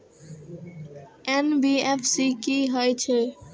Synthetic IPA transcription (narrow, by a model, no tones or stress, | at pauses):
enbiefʰsikiɦɔet͡ɕʰe